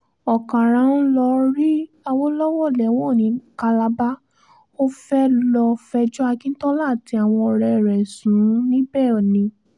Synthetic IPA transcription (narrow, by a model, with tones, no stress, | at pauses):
ɔ˨kã˨ɾ̃ã˨˦n̩˦lɔ˧ɾi˦ | a˧wɔ˦lɔ˦wɔ˦˨lɛ˨˦w̃ɔ̃˦˨nĩ˨˧˦ka˧la˧ba˦ | o˦fɛ˦lɔ˧fɛ˧d͡ʒɔ˦a˧kĩ˦n̩˦tɔ˦la˦˨ti˧˦a˨w̃ɔ̃˧ɔ˧ɾɛ˧˨ɾɛ˨sũ˨˦nĩ˦bɛ˦˨ɔ˨nĩ˧